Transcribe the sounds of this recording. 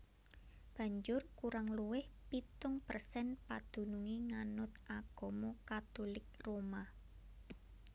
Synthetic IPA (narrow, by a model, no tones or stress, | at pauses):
b̥ä̤ɲd͡ʒʊrkuɾaŋluwɪhpit̪ʊŋpərsɛnpad̪̥ṳnuŋiŋanʊt̪ʔaɡ̥o̤mokat̪olɪk̚roma